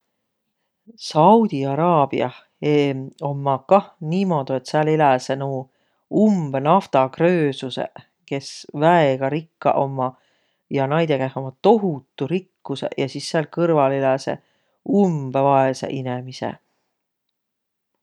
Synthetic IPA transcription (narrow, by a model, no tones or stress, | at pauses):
sɑwd̪̥iɑɾɑːb̥iɑ | eo̞mːɑkɑhniːmo̞d̪̥ue̞t̪sælelæsenu | umb̥enɑft̪ɑkrøːsusḛ | ke̞svæeɡ̥ɑɾikːɑ̰ʔo̞mːɑ | jɑnɑjd̪̥ekæho̞mːɑt̪o̞ɦut̪ːˑuɾikːusḛjɑsisːelkɤrvɑlelæsḛ | umb̥evɑesḛʔinemisḛ